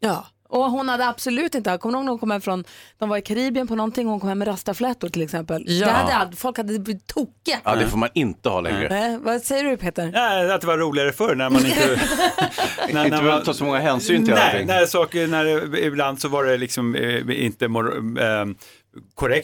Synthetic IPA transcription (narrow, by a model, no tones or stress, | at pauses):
jɑː | ʔɔɦʊnhad̪ːəab̥sʊlʉ̟ːt̪ɪnt̪əhkɔmːəhoːɡnɛhʊnkɔmhɛmfɾɔnd̪̥ɔmvaɾɪkʰaɾiːbɪənpʰɔnɔnt̪ɪŋːɔhʊnkʰɔmhɛmːɛɾast̪aflɛːt̪ʊʈʰɪlɛksɛmpəld̪ɛhad̪ːəalfɔlkhad̪ːəbt̪ʰuːkːəd̪ɛfoːmanɪnt̪əhɑ̰lɛ̰ɾə̰nɛvasɛjːəɖɵpʰeːt̪əɾnɛat̪̚d̪ɛvaɾuːlɪɡaɾəfœɾɳæɾmanɪnt̪ə | nænæat̪ʰɑːsɔmɔŋːaɦɛːnsyːnt̪ʰɪlɛɪnæsɑːkənæɾɪbland̪sɔvaɖɛlɪksɔmɪ̰nt̪əmɔɾ | kʰɔɾɛk̚t̪